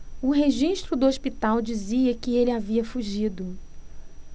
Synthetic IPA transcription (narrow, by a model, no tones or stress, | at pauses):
ʊɦeʒiʃt̪ɾʊd̪ʊospit̪awd͡ʒiziɐkɪelɪaviɐfuʒid̪ʊ